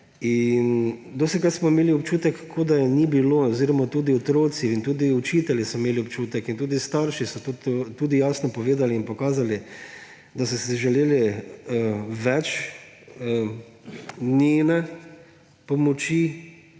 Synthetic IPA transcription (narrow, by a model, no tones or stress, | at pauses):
ind̪osɛkaɾsmɔimeːliɔp̚t͡ʃuːt̪ɛkːkʰːod̪anibiloːɔziɾɔmat̪uːd̪iɔt̪ɾoːt̪siint̪uːd̪iʊt͡ʃiːt̪ɛljisɔmeːliɔpt͡ʃuːt̪ɛkint̪uːd̪ist̪aɾʃisɔt̪ot̪ot̪uːd̪ijaːsnɔpɔʋeːd̪aliːnpɔkaːzali | d̪asɔsiʒɛleːlɛ | ʋɛt͡ʃ | nenɛ | pɔmɔt͡ʃi